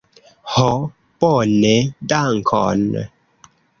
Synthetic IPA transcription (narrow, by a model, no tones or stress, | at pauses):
hɔ | pɔːnedaːŋkʰɔ̰ːnːə̰